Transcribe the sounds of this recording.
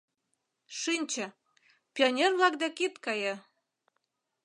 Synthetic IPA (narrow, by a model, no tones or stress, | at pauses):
ʃinʲt͡ɕə̆ | pʲionʲerβlɑk̚d̪ækit̪kɑjɤ